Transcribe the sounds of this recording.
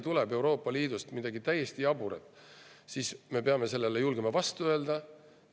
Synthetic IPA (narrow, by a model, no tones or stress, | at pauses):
t̪uleɛbe̞wɾo̞ːpːˑɑliːd̪ust̪mid̪̥ɑɡit̪æjːe̞st̪iɑbuɾet̪ːˑsiːsme̞peɑme̞se̞lːelejulɡ̥emɑvɑst̪uø̞ld̪̥ɑ